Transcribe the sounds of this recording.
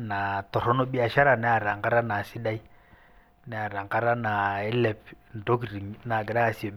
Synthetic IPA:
na˨tɔ˨ɾɔ˦nɔ˦ɓi˦a˨ʃa˦ɾa˨nɛ˦a˨ɾa˨ŋɡa˦ɾa˦na˨si˦da˦i˦ | nɛ˨˦a˨ɾa˨ŋka˦ɾa˦na˨ɛ˦lɛ˨pn˨do˦k̬i˨ɾi˨ŋna˨ɡɛ˨ɾa˦˨sɔ˨

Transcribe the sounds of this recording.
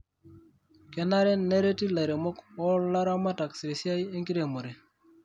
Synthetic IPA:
kɛ˨na˦ɾe˦ne˦ɾe˦ti˦la˨ɾe˨mo˦kɔ˦la˦ɾa˦ma˦ta˨ksi˨ɾe˨sja˦je˦ŋki˦ɾe˨mo˨ɾe˨

